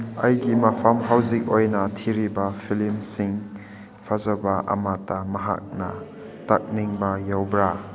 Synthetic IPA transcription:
ɐjɡimɐpʰamɦawzik̚ojnɐtʰiɾibɐpʰilimsiŋ | pʰazɐbɐʔɐ̰matɐmɐɦa̰k̚nɐ̰ | tak̚niŋbɐjawbɾa

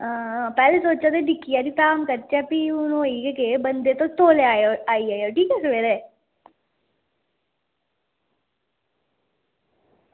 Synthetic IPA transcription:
aːpɛːlesoːt͡ʃat̪̬eɖɪkːijad̪ip̪aːmkəɾtɛpiʊnõiːkekebənd̪et̪ot̪oːleaːjoaːiaːjoʈiːkɛseʋeːɾe

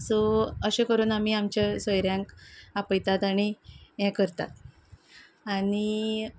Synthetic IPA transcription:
sɔəɕẽkəɾuːnam̤iːamt͡ɕasəjɾjãŋkapəjt̪at̪añiɦɛ̃kəɾt̪a̰t̪ | ani

